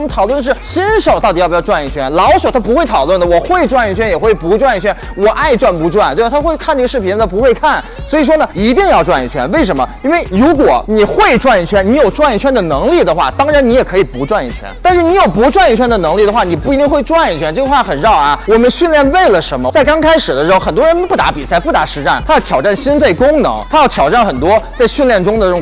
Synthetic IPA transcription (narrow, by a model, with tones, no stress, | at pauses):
m˦˥t̪ʰʊlwə˥˩nəʂɻ̩˥˩ɕi˥nʂo˨˩ʊt̪ɑ˥˩t̪i˨jjʈ͡ʂwa˥˧ni˥˩t͡ɕʰɥɛ̰˥nlɑ˧˥ʊʂo˨˩ʊt̪ʰa˥p̬u˧˥xwe˥˩ɪt̪ʰɑ˨˩ʊlwə˥˩nd̪ə˩wɔ˨˩xwe˥˧ɪʈ͡ʂwa˥˧ni˥˩t͡ɕʰɥɛ˥njɛ˨˩xwe˥˩ɪpu˧˥ʈ͡ʂwa˥˧ni˥˩t͡ɕʰɥɛ˥n | wɔ˨˩ʔa˥˧ɪʈ͡ʂwa˥˩npu˧˥ʈ͡ʂwa˥˩nt̪w̪t̪ʰxwe˥˧ɪkʰa˥˧nʈ͡ʂɤ˥˩ɡə˩ʂɻ̩˥˩pʰt̪ʰa˥pu˧˥xwe˥˧ɪkʰa˥˩n | swɔ˧˥i˨˩ʂ̬wɔ˥nə˨i˧˥t̪i˥˧ŋjɑ˥˧ʊʈ͡ʂwa˥˧nḭ˥˩t͡ɕʰɥɛ̰˥nwe˥˩ɪʂ̬ə˧˥nmə˧i˥nwe˥˩ɪɻu˧˥kwɔ˨˩ni˨˩xwe˥˧ɪʈ͡ʂwa˥˧ni˥˩t͡ɕʰɥɛ˥nni˧˥jo˨˩ʊʈ͡ʂwa˥˧ni˥˩t͡ɕʰɥɛ˥nd̪ə˨nɤ˧˥ŋli˥˩d̪ə˩xwa̰˥˩t̪ɑ˥ŋɻa˧˥ni˧˥jɛ˨˩kʰɤ˧˥i˨˩pu˧˥ʈ͡ʂwa˥˧nḭ˥˩t͡ɕʰɥɛ̰˥nt̪a˥˧nʂɻ̩˥˩ni˧˥jo˨˩ʊpu˧˥ʈ͡ʂwa˥˧ni˥˩t͡ɕʰɥɛ˥nd̪ə˨nɤ˧˥ŋli˥˩d̪ə˩xwa˥˩ni˨˩pu˥˩i˧˥t̪i˥˧ŋxwe˥˧ɪʈ͡ʂwa˥˧ni˥˩t͡ɕʰɥɛ˥nʈ͡ʂɤ˥˩ə˧xwa˥˧˩xə˨˩nɻɑ˥˩ʊ˧˩wɔ˨˩mə˦nɕy˥˧nljɛ˥˧nwe˥˩ɪlə˩ʂə˧˥nmə˧t͡sa˥˩ɪkɑ˥ŋkʰa˥ɪʂɻ̩˨˩d̪ə˦ʂɻ̩˧˥o˥˧ʊxə˨˩nt̪wɔ˥ɻə˧˥n˥pu˥˩t̪a̰˧˥pi˨˩sa˥˧˩ɪpu˥˩t̪a˧˥ʂɻ̩˧˥ʈ͡ʂa˥˩nt̪ʰa˥jɑ˥˩ʊt̪ʰjɑ˨˩ʊa˥˩nɕi˥nfe˥˩ɪkʊ˥ŋnɤ̰˧˥ŋt̪ʰa˥jɑ˥˩ʊt̪ʰjɑ˨˩ʊʈ͡ʂa˥˩nxə˨˩nt̪wɔ˥t͡sa˥˧ɪɕy˥˧nljɛ˥˩nʈ͡ʂʊ˥ŋd̪ə˨˥ʊ˥˩˧